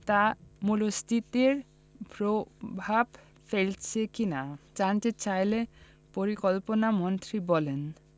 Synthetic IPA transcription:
t̪amulost̪ʰit̪eɾ | pɾobʱab | felt͡ɕʰekinat͡ɕant͡ɕet͡ɕajle | poɾikolponamɔnt̪ɾibɔlen

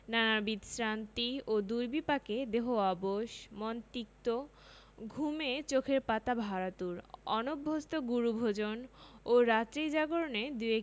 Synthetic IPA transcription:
nanabid̪sɾant̪iod̪uɾbipaked̪eɦoaboʃmɔnt̪ik̚t̪o | ɡʱumet͡ɕokʰeɾpat̪abʱaɾat̪uɾɔ̰nobʱːost̪oɡuɾubʱod͡ʑonoɾat̪ɾid͡ʑaɡoɾoned̪ue

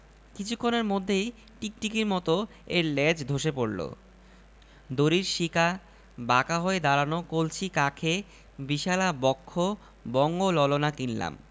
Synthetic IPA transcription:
kit͡ɕʰukʰːoneɾmod̪ʱːej | ʈik̚ʈikiɾmɔt̪o | eɾlɛd͡ʑd̪ʱoʃepoɽlo̰ | d̪oɾiɾʃika | bakaɦoed̪aɾanokolt͡ɕʰikakʰe | biʃalabɔkʰːo | bɔŋɡolɔlonakinla̰m

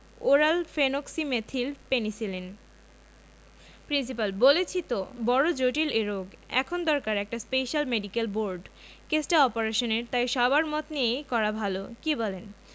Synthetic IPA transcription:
oɾalfenoksimet̪ʰilpenisilen | pɾinsipalbolet͡ɕʰit̪obɔɽod͡ʑoʈileɾoɡɛ̰kʰond̪ɔɾkaɾɛk̚ʈaspeʃalmeɖikelboɾɖ | kesʈaɔpoɾeʃoneɾt̪ajʃɔbaɾmɔt̪neekɔɾabʱalokibɔlen

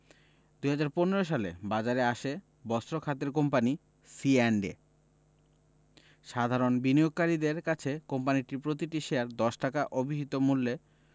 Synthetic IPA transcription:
d̪uɦad͡ʑaɾponeɾoʃ̬alḛbad͡ʑaɾeaʃe | bɔst̪ɾokʰat̪eɾk̬ompani | sienɖḛ | ʃad̪ʱaɾonbinioɡ̚kaɾid̪eɾkat͡ɕʰekompaniʈiɾpɾot̪̬iʈiʃeaɾd̪ɔʃʈakaʔobʱiɦit̪omulːe

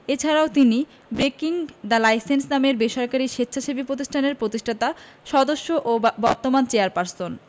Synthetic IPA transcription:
et͡ɕʰaɾaot̪ini | bɾekiŋd̪alajsensnameɾbeʃaɾkaɾiʃetːɕʰaʃebipɾot̪̬iʃʈʰaneɾpɾot̪iʃʈʰat̪a | ʃɔd̪oʃːoʔobɔ̰ɾt̪omant͡ɕeaɾpaɾson

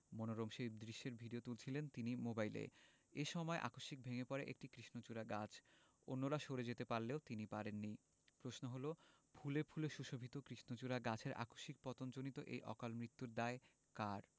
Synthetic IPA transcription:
monoɾomʃebd̪ɾiʃːeɾbʱiɖiot̪ult͡ɕʰilent̪inimobailḛ | eʃɔmɔeʔa̰koʃik̚bʱeŋepɔɾeʔḛk̚ʈikɾiʃnot͡ɕuɾaɡat͡ɕʰ | o̰nːoɾaʃoɾed͡ʑet̪epaɾleot̪inipaɾenːi | pɾosnoɦolobʱʰulebʰʱuleʃuʃobʱit̪okɾiʃnot͡ɕuɾaɡat͡ɕʰeɾʔa̰koʃik̚pɔt̪ond͡ʑonit̪oʔḛjʔɔ̰kalmɾit̪ːuɾd̪ae | kaɾ

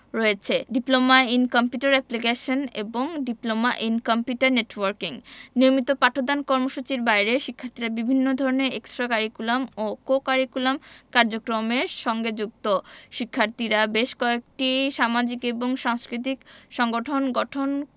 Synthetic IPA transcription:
ɾoet͡ɕʰeɖiplomainkɔmpjuʈaɾɛplikeʃonḛboŋɖiplomaʔinkompjuʈaɾneʈwoɾkiŋniomit̪opaʈʰod̪ankɔɾmoʃut͡ɕiɾbajɾeʃikʰːaɾt̪iɾabibʱinːod̪ʱɔɾoneeksʈɾakaɾikulamokokaɾikulamkaɾd͡ʑokɾomeɾʃɔŋɡed͡ʑuk̚t̪oʃikʰːaɾt̪iɾabeʃkɔek̚ʈiʃamad͡ʑikeboŋʃaŋskɾit̪̬ikʃɔŋɡoʈʰonɡɔʈʰon

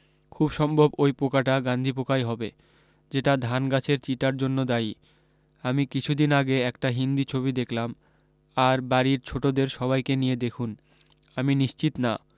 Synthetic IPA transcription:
kʰubʃɔmbʱobojpokaʈaɡand̪ʱipokajɦɔbe | d͡ʑeʈad̪ʱanɡat͡ɕʰeɾt͡ɕiʈaɾd͡ʑonːod̪ai | amikit͡ɕʰud̪inaɡeɛkʈaɦind̪it͡ɕʰoβid̪ekʰlam | aɾbaɾiɾt͡ɕʰoʈod̪eɾʃɔβajkenijed̪ekʰun | aminiʃt͡ɕit̪na

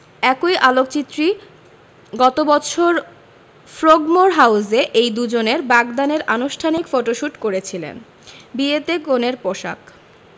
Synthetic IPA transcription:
ɛkojʔalok̚t͡ɕit̪ːɾi | ɡɔt̪obɔt͡ɕʰoɾ | fɾoɡmoɾɦawzeʔejd̪ud͡ʑoneɾbaɡd̪aneɾʔanuʃʈʰanikfoʈoʃuʈkoɾet͡ɕʰilḛn | biet̪ekoneɾpoʃa̰k

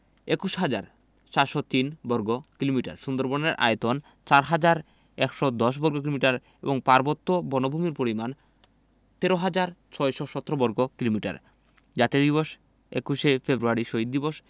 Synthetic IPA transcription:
ekuʃɦad͡ʑaɾ | t͡ɕaɾʃɔt̪inbɔɾɡokilomiʈa̰ɾʃund̪oɾbɔneɾʔa̰jet̪on | t͡ɕaɾɦad͡ʑaɾ | ɛkʃɔd̪ɔʃ̬bɔɾɡok̬ilomiʈaɾ | eboŋpaɾbot̪ːobɔnobʱumiɾpoɾiman | t̪eɾoɦad͡ʑaɾt͡ɕʰɔeʃɔʃɔt̪ːɾobɔɾɡokilomiʈa̰ɾ | d͡ʑat̪ed̪iboʃ | ḛkuʃefebɾuaɾiʃoɦid̪ːiboʃ

